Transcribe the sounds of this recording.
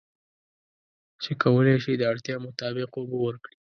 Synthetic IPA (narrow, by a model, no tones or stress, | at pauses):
t͡ʃekʰawəleʃid̪əaɽt̪jɑmʊt̪ɑbɪqobowəɾkɽi